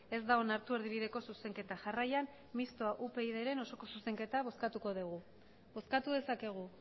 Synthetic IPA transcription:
e̞zd̪aonaɾt̪ue̞ɾðiβ̞iðe̞ko̞suse̞ŋke̞t̪aʝarajan | mist̪oaʔupe̞iðe̞ɾe̞no̞so̞ko̞suse̞ŋke̞t̪aβo̞skat̪uko̞ðuɣ̞u | βo̞skat̪uð̞e̞sake̞ɣ̞u

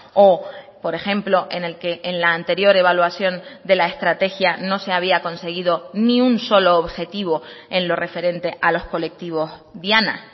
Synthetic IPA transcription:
o | po̞ɾe̞xe̞mplo̞ʔe̞ne̞lke̞ʔːnlaːnt̪e̞ɾjo̞ɾe̞βalwasjo̞nd̪e̞laest̪ɾat̪e̞xjano̞se̞aβ̞iako̞nse̞ɣiðo̞nĩunso̞lo̞ːβxe̞t̪iβo̞e̞nlo̞re̞fe̞ɾe̞nt̪e̞ʔalo̞sko̞le̞k̚t̪iβ̞o̞zðjana̰

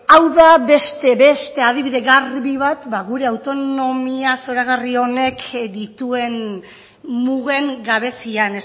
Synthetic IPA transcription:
awðaβe̞st̪e̞βe̞st̪e̞að̞iβiðe̞ɣarβiβ̞at̪baɣuɾe̞awt̪o̞no̞miaso̞ɾaɣario̞ne̞kd̪it̪ue̞n | muɣe̞ŋɡaβ̞e̞sianes

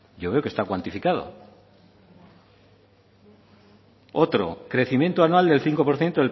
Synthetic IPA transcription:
ɟ͡ʝoβe̞oke̞st̪akwant̪ifikað̞o̰ | ot̪ɾo̰kɾe̞θimjẽ̞nt̪oanwald̪e̞lθiŋko̞po̞ɾθje̞nt̪oðe

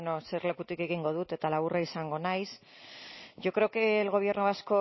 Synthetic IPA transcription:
nose̞ɾle̞put̪ike̞ɣiŋɡo̞ð̞ut̪e̞t̪alaβuraisaŋɡo̞najs | ʝo̞kɾe̞okeːlɣ̞o̞β̞je̞ɾnoβasko̞

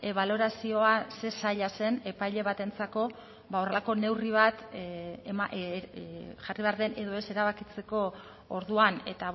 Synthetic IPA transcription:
eβ̞aloɾasio̞ase̞saʎase̞ne̞pajʎe̞β̞at̪e̞nt͡sako̞ | βao̞re̞lako̞ne̞wriβ̞at̪ | ma | ʝariβe̞aɾðe̞ne̞ðo̞e̞se̞ɾaβakit͡se̞ko̞ | oɾðuane̞̰t̪a

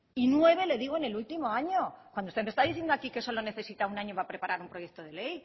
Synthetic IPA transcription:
inwe̞βe̞le̞ðiɣ̞oene̞lult̪imo̞aɲo̞kwandoust̪emest̪aðiθje̞nd̪oakike̞so̞lo̞ne̞θe̞sit̪aunaɲoβapɾe̞paɾaɾumpɾoje̞k̚t̪o̞ð̞e̞le̞j

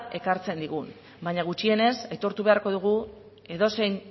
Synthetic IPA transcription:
e̞kaɾt͡se̞nd̪iɣ̞un | baɲaɣ̞ut͡ʃie̞ne̞sajt̪o̞ɾt̪uβe̞aɾko̞ðuɣ̞u | e̞ðo̞se̞jn

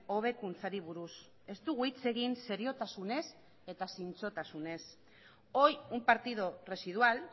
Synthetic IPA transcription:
o̞β̞e̞kunt͡saɾiβ̞uɾus | e̞st̪uɣuit͡se̞ɣ̞inse̞ɾio̞t̪asune̞s | e̞t̪asint͡so̞t̪asune̞s | o̞jumpaɾt̪iðo̞re̞sið̞ual

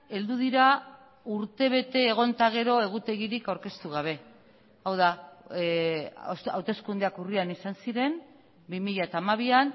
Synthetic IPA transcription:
e̞ld̪uð̞iɾa | uɾt̪e̞β̞e̞t̪e̞ːɣ̞o̞nt̪aɣ̞e̞ɾo̞e̞ɣ̞ut̪e̞ɣiɾikawɾke̞st̪uɣ̞aβ̞e̞ | awð̞a | osa̰wt̪e̞skund̪eakurianisansiɾe̞n | bimiʎat̪aːmaβian

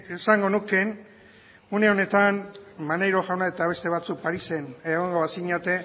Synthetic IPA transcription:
esaŋɡo̞nuke̞n | une̞o̞ne̞t̪anmanejɾo̞ʝawnae̞t̪aβ̞e̞st̪e̞β̞at͡suk̚paɾise̞neɣ̞o̞ŋɡo̞asiɲat̪e̞

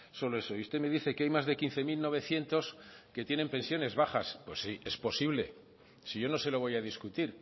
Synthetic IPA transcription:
so̞lo̞e̞so̞just̪e̞me̞ðiθe̞keajmazðe̞kin̟θe̞milno̞β̞e̞θje̞nt̪o̞ske̞t̪jenempe̞nsjo̞ne̞zβaχaspwesie̞spo̞siβle̞̰ | siʝo̞no̞se̞lo̞β̞o̞jaðiskut̪iɾ

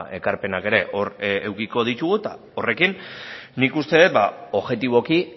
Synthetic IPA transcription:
e̞kaɾpe̞nake̞ɾe̞ʔo̞ɾewkiko̞ð̞it̪uɣut̪a̰ | o̞re̞kinːikust̪e̞ðet̪̚bao̞ʝe̞t̪iβo̞ki

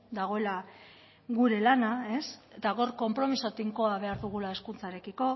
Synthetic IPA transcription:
d̪aɣ̞o̞e̞la | ɣuɾe̞lanae̞se̞t̪aɣo̞ɾko̞mpɾo̞misot̪iŋko̞aβ̞e̞aɾðuɣ̞ulae̞skunt͡saeɾe̞kiko̞

